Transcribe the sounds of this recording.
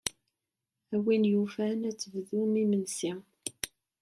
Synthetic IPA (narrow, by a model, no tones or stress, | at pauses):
æwinjufænæt͡sːəvðumimənsi